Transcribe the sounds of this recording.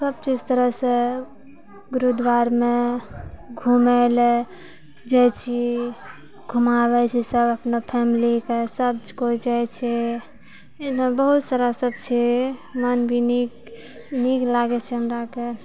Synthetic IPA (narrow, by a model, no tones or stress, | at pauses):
səb̚t͡ʃid͡ʒt̪əɾəɦsẽ | ɡuɾud̪ʋaɾme | ɡʱumɛl | d͡ʒɛt͡ʃʰi | ɡʱumaβɛt͡ʃʰisəbəpnopʰɛmilikesəb̚d͡ʒkod͡ʒajt͡ʃʰɛ | nebəɦut̪saɾasəbt͡ʃʰɛmənbʱinik | niklaɡɛt͡ʃʰɛɦəmɾake